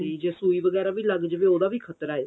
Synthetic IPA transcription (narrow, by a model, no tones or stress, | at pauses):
id͡ʒeːsuːiːʋəɡɛːɾaːʋiːləɡd͡ʒəʋeːoːd̪aːʋiːkʰət̪ɾaːe